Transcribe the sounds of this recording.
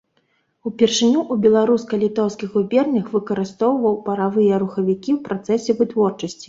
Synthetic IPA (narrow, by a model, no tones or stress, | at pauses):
upʲɛrʂɨnʲuʔubʲɛlˠaɾuskɐlʲit̪ɔwskʲixubʲɛrnʲɐxvɨkɐɾɨst̪ɔwvɐwpɐɾavɨjɛɾuxɐvʲikʲiwpɾat̪sɛsʲɛvɨt̪vɔrt͡ʂɐsʲt͡sʲi̥